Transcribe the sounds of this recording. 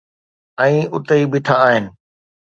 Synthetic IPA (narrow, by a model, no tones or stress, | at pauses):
ɛ̃ːʊt̪eibɪʈʰaːɦɪnɪ̆